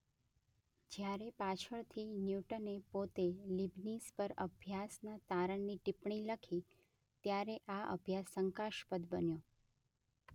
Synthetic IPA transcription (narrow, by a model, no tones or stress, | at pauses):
d͡ʒjaɾepat͡ʃʰəɭt̪ʰinjuʈənepot̪elibnispəɾəbʱjasnat̪aɾəɳːiʈipɳiləkʰi | t̪jaɾeʔaʔə̰bʱjasːəŋkaʃpəd̪bənjo